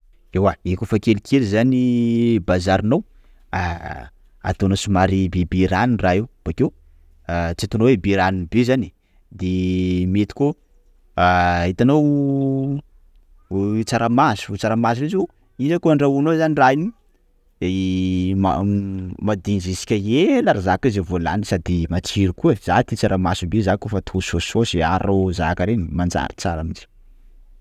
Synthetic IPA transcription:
ewaekofakelikʰelizanibazaɾinow | a | a̰t̪onasumaɾibebiɾaninraewb̥akew | t͡siat̪onowebeɾaninbezani̥ | d̪emet̪i̥ko | it̪anow | t͡saɾamasi̥ut͡saɾamaziɾeze | izakoaɳɖ͡ʐaunozaniraini | ma̰mad̪inzisi̥kʲaelaɾazakizevola̰nisad̪imat͡siɾikuəz̥at̪it͡saɾamasubezakofat̪ʰosososea̰ɾozakaɾenimand͡ʒa̰ɾit͡saɾamid͡ʒi̥

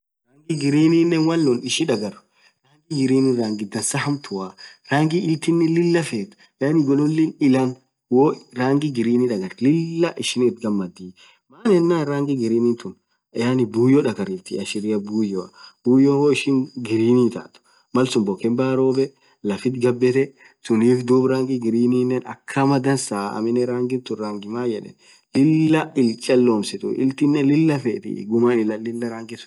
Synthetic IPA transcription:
ɾaːŋɡɪɡɪɾiːniːnːɛnwɐlːɔnɪʃɪᶑɐɡɐɾ | ɾaːŋɡɪɡɪɾiːniɾaːŋɡɪd̪ɐnsɐhɐmt̪ʰʊwaːɾaːŋɡɪɪlt̪ɪnːɪlɪlːɐfeːt̪ʊ̥ | jaːnɪɡɔlʊlːɪnɪlɐn | woːɾaːŋɡɪɡɪɾiːniᶑɐɡɐɾlɪlːɐʔɪʃɪnɪt̪ɡɐmːɐd̪iː | maːnɛnːaːɾaːŋɡɪɡɪɾiːniːnt̪ʊn | jaːnɪbuːjɔᶑɐɡɐɾift̪ɪɐʃɪɾɪjɐbuːjɔɐb̥uːjɔhoɪʃɪŋɡɪɾiːniːt̪a̰ːt̪ʊ̥ | mɐlsʊmbɔkɛmbaːɾoːbɛ | lɐfɪt̪ɡɐbːɛt̪ɛ | sʊniːfd̪uːbɾaːŋɡɪɡɪɾiːniːnːɛnɐ̰kʰːɐmɐd̪ɐnsaːɐ̰mɪnɛɾaːŋɡɪnt̪ʊɾaːŋɡɪmaːjɛᶑɛ̰n | lɪlːɐɪlt͡ʃʼːɐlːoːmsɪt̪ʊ̰ʔɪ̰lt̪ɪnːɛlɪlːɐfɛt̪ɪ̰ɡʊmaːnɪlɐlɪlːɐɾaːŋɡɪsʊ̥

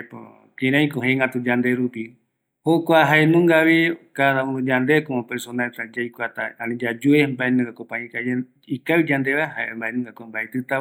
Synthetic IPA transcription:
po̰ | kĩɾãĩkoɦẽŋat̪ud͡ʒand̪eɾupi | hokʷaɦaenũŋɡaβikaðaũnud͡ʒand̪ekomãpeɾsonalt̪ad͡ʒajkʷat̪aanĩd͡ʒad͡ʒuembaenũŋɡakopãĩka | ikaɨwd͡ʒand̪eβaɦaembaenũŋɡakʷambaet̪ɨt̪a

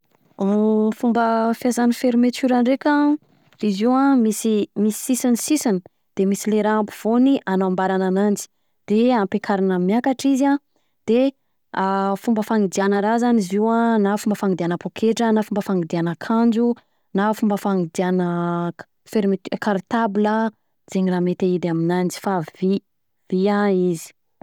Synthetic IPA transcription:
fumbəfjazanifeɾimet̪yɾaɳɖ͡ʐekʲã | ɾiziwãmisimisi̥sisanisisani | d̪̥emisileɾaampu̥v̥oniʔanaambaɾananand͡ʒi̥ | d̪̥eampekʰaɾinəmjakaʈ͡ʂizia | d̪̥e | afumbəfaŋid̪ianəɾazaniziwanafumbəfaŋid̪ianəpokʰeʈ͡ʂənafumbəfaŋid̪ianəkʰand͡ʒu | nafumbəfaŋid̪ianə | feɾimit̪kaɾit̪abilə | d͡zeɲiraːmet̪eid̪aminand͡ʒi̥favi | v̥iaizi̥

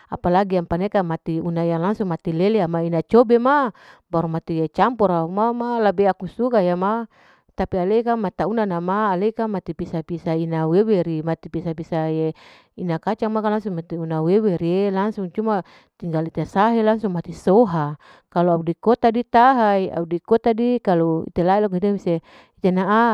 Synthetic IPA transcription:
apalaɡiaŋpanekamat̪iunajaŋlaŋsuŋmat̪ileleamainat͡ʃɔbemabaɾumat̪iet͡ʃampɔɾaumamalabeakusukajama | t̪apialeikamat̪aunanamaːlekamat̪ipisapisainaweweɾimat̪ipisapisaje | inakat͡ʃaŋmakalaŋsuŋmat̪iunaweweɾielaŋsuŋt͡ʃuma | t̪iŋɡalit̪esaɦelaŋsuŋmat̪isoɦa | kaluaudikɔt̪adit̪aɦaia̰udikɔt̪adikaloḭt̪elailɔkit̪emise | it̪enaʔa

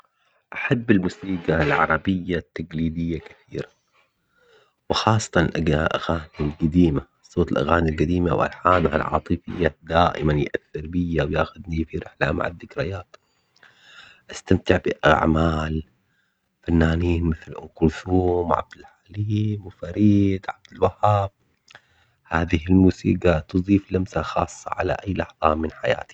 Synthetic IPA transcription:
ʔaħabːɪlmʊsiːɡalʕɑ̰ɾˤɑbɪjːat̪ːaɡliːd̪ɪjːakḁθḭːɾa | wɪxɑːsˤːɑ̥t̪ˤɑnɪ̰lʔaʔa̰ɣaːnilɡad̪iːma | sˤoːt̪ˤɪlʔa̰ɣaːnilɡad̪iːmawʔa̰lħaːnha̰lʕɑ̰ːt̪ˤɨfɪ̰jːad̪aːʔɪmanjʔaθːɪɾbɪjawjaːxʊd̪nifiɾɪħlama̰ʕad̪ːɪkɾɪjaːt̪ | ʔast̪amt̪ɪʕbɪʔa̰ʕmaːl | fanːaːniːnmɪθlʔʊ̰nqʊlθuːmʕa̰b̚d̪ɪlħaliːmwfaɾiːd̪ʕab̚d̪ɪlwahːaːb̚ | haːðɪhɪlmuːsiːɡat̪ɨðˤiːflamsaxɑːsˤːɑʕa̰la̰ʔajːlɑħðˤɑːmɪnħaja̰ːt̪i̥

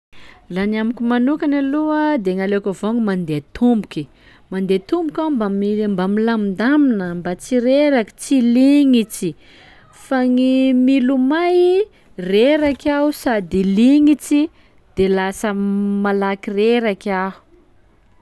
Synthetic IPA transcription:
ranamikʲimanukanaluəd̪eŋalekʲavoŋimand̪et̪umbukʲi | mand̪et̪umbukʲambamimbamilamind̪aminəmbat͡siɾeɾaki̥t͡siliŋit͡si | faŋimilumaj | reɾakausad̪iliŋit͡si | d̪̥elasəmalakireɾakaɦu̥

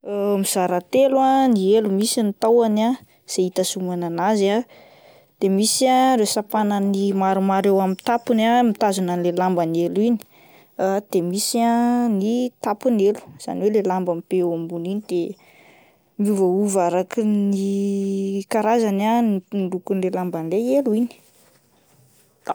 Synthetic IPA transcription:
mizaɾat̪elwanielumisinit̪awana | z̥eit̪asumananaza | d̪̥emisiarewsapanənimaɾumaɾewamit̪apunamit̪azunanlelambanelini̥ | d̪̥emisianit̪apunelu̥z̥a̰niwelelambamipeambuninid̪̥e | muvəuvaɾakini | kaɾazananɖ͡ʐukunlelambanleeluini̥

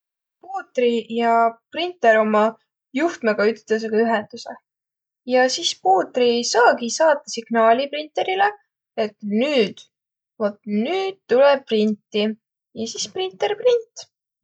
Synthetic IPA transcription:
puːt̪ˑrijɑprint̪ːˑe̞ɾo̞mɑ | juht̪meɡ̥ɑyt̪ːˑt̪es̬eɡ̥ɑyɦend̪̥usḛ | jɑsispuːt̪risɑːɡisɑːt̪ːˑɑsiɡ̥nɑːlʲiprint̪ˑe̞ɾile̞ | et̪ˑnyːd̪̥ | vot̪ːˑnyːd̪̥̚t̪uleprint̪ːi | jɑsisprint̪ːˑe̞rprint̪ː

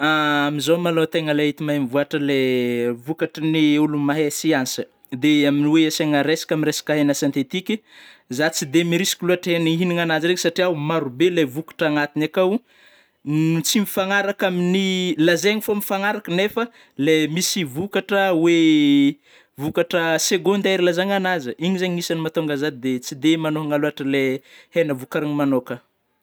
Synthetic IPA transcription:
aamizomalot̪eŋəleit̪imamivuaʈ͡ʂəlevukaʈ͡ʂəniulumaɦesiansə̥ | d̪eaminiweaseŋaɾesḁkʲaminɾesḁkaɦenəsant̪et̪ikizat͡sid̪emiɾisi̥kʲiluaʈ͡ʂeniɦiniŋanaziɾeŋsaʈ͡ʂiawmaɾubelevukḁʈ͡ʂaŋat̪inakawu | t͡simifaŋaɾakaminilazeŋifomifaŋaɾakənefə | lemisivukaʈ͡ʂəwe | vukaʈ͡ʂəseɡond̪aɾilazaɲanazəiɲizaɲimisanimat̪oŋɡazad̪id̪et͡sid̪emanoɦaŋaluaʈ͡ʂəlehenəvukaɾaɲimanokə

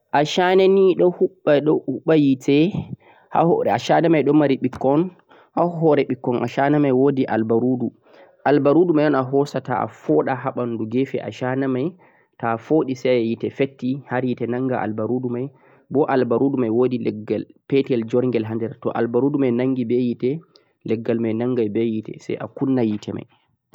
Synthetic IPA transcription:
ʔaʃananiɗɔhuɓːaɗɔhuɓːajitʰɛ | ha̰ɔɾɛaʃanamajɗɔmaɾiɓikːɔn | haɦɔɾɛɓikːɔnʔa̰ʃanamajwodiʔa̰lbaɾudu | ʔalbaɾudumajɗɔnaɦɔsata̰a̰fɔɗaɦaɓanduɡefɛʔa̰ʃanamaj | tafoɗisajajitɛfetːihaɾjitɛnaŋɡaʔa̰lbaɾudumaj | bɔʔalbaɾudumajwodilɛɡalpɛtɛld͡ʒɔɾŋɡɛlɦandɛɾtɔ̰ʔalbaɾudumajnaŋɡibɛjitɛ | lɛɡːalmajnaŋɡajbɛjitɛ̰sɛ̰jʔa̰kunːajitʰɛma̰j

